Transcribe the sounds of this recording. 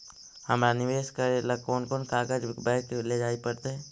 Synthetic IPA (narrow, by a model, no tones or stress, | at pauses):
həmɾanɪʋeːʃkəɾelɐkoːnkoːnkaːɡəd͡ʒbɛːʈleːd͡ʒaːipɐɾt̪eɛː